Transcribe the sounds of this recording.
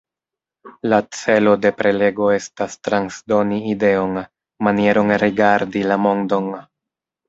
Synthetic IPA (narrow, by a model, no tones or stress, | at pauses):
lat͡se̞lo̞de̞pɾe̞le̞ɡo̞e̞stastɾansdo̞niːde̞o̞n | manie̞ɾo̞nɾiɡaɾdilamo̞ndo̞n